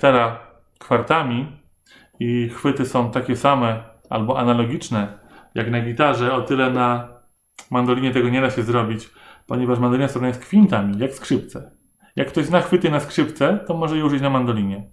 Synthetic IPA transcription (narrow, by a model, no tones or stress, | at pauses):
t̪ɛɾa | kfaɾt̪amʲi | ixfɘt̪ɘsɔ̃w̃t̪akʲɛsamɛ | a̰lbɔʔanalɔɡʲit͡ʂnɛjaknaɡʲit̪aʐɛɔt̪ɘlɛna | mand̪ɔlʲiɲɛt̪ɛɡɔɲɛd̪aɕɛzɾɔbʲit͡ɕ | pɔɲɛvaʂmand̪ɔlʲinasɾɔvnajɛskfʲint̪amʲijakskʂɘp̚t̪sɛ | jakːt̪ɔʑznaxfɘt̪ɘnaskʂɘpt̪sɛt̪ɔmɔʐɛjɛuʐɘt͡ɕnamand̪ɔlʲiɲɛ